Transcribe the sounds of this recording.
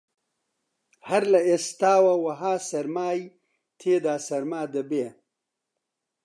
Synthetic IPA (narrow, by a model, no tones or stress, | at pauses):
hɐɾlɐest̪aːwɐwɐɦaːsɐɾmaːj | t̪ʰeːd̪aːsɐɾmaːd̪ɐbeː